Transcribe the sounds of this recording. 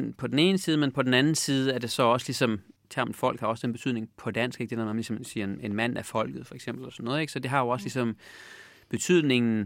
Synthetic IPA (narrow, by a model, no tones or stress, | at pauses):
npʰɒ̽d̥en̩e̝ːnəsiːð̞̩ˠəmenpʰɒ̽d̥en̩ænn̩siːð̞ˠəæɐd̥e̝sɒ̽ɒ̽səlisɒ̽mt͡sʰæɐ̰md̥fɒ̽l̰ɡ̥hɑ̈ɒ̽səd̥enb̥e̝yð̰ˠne̝ŋpʰɒ̽d̥æn̰sɡ̥eɡ̥d̥eæmæmlisɒ̽msiːɐene̝nmæn̰æfɒ̽l̰ɡ̥ð̩ˠfɒeɡ̥sem̰b̥l̩lɒsɒnːɔːðˠeɡ̥sɒ̽d̥e̝ɦɑ̈jo̝ɒ̽slisɒ̽m | b̥e̝t͡sʰyð̞̰ˠne̝ŋn̩